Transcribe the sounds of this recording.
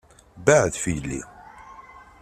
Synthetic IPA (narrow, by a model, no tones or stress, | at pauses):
baʕðfijəlːḭ